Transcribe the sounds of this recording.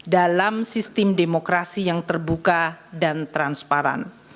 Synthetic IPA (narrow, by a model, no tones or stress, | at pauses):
dalamsist̪ɪmdemokɾasijaŋt̪ərbukadant̪ɾanspaɾa̰n